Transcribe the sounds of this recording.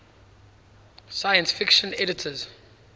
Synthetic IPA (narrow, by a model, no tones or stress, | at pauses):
sajə̃nsfɪkʃə̃nɛɾɪtʰəz̥